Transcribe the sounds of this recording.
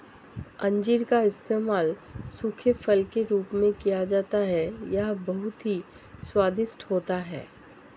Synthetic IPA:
ɐ̃ɲd͡ʒiɾkaɪst̪eːmaːlsʊkʰəfɐlkeɾuːpmẽkijad͡ʒaːt̪aɦɛjɐɦbɐɦʊt̪ɦi | swaːd̪ɪsʈhoːt̪aɦɛ̰ː

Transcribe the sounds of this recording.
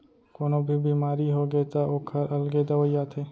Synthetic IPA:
konobʱiːbʱiːmaːɾiɦoɡet̪aʔoːkʰəɾʔəlɡed̪əʋəjat̪ʰeː

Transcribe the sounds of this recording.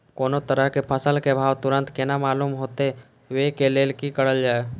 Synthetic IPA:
koːnot̪əɾəɦkepʰəsəlkebʱaːwt̪ʊɾə̃nt̪kɪnamaːluːmɦoːt̪e | ʋekeleːlkikəɽəld͡ʒaːe

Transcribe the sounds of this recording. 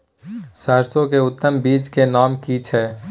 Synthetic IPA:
saːɾsõkeʊt̪ːəmbiːd͡ʒkenaːmkiːt͡ʃʰɛː

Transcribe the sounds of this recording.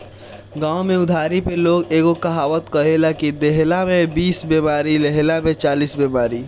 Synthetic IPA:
ɡãːomẽʊd̪ʱaːɾipeloːɡeːɡokaɦaːwət̪kəɦelakid̪eɦlamẽbiːsbeːmaːɾileɦlamẽt͡ʃaːliːsbeːmaːɾi

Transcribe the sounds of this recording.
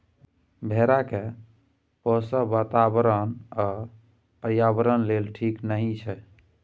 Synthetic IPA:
bʱeɾake | pɔsabat̪abɾəna | pəɾjabəɾənlelʈʰiknəɦĩt͡ʃʰɛ

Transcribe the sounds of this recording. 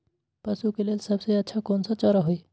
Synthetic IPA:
pəsukelelsəbseətːʃʰakonsʌ̃t͡ʃɔɾɔɦoj

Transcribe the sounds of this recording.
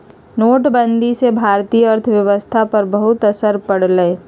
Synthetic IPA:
noːʈbə̃nd̪ʱisebʱaːɾt̪iːjəɐɾt̪ʰəʋjɐʋəst̪ʰapɐɾbɐɦʊt̪ɐsəɾpɐɽ̤ləe

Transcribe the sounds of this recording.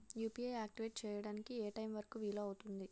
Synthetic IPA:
juːpiejaːk̚ʈiʋeːʈ̚t͡ʃɛːjɐɽaːnikiɛːʈɐjmʋɐɾɐkuʋiːloːɐwut̪und̪i

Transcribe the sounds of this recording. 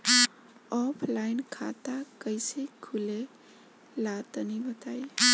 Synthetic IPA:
ɔpʰlajnkʰa̰t̪akəjsikʰule | lat̪ənibət̪aj

